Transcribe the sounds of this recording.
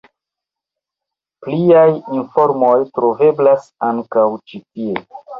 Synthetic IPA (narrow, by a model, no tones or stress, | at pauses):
pliajinfo̞ɾmo̞jtɾo̞ve̞blasaŋkawt͡ʃitie̞